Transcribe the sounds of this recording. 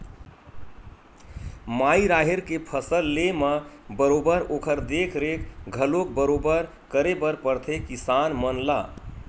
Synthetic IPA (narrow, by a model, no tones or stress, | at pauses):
maiɾaɦeɾkepʰəsəlːeməbəɾobəɾokʰəɾd̪ekʰɾekɡʱəlok̚bəɾobəɾ | kəɾebəɾpəɾt̪ʰekisanmənla